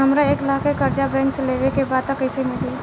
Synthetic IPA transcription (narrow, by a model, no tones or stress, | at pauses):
ɦɐmɾaeːklaːkekɐɾd͡ʒabɛ̃nsleːʋekebaːd̪̚t̪ɐkəɪsemɪli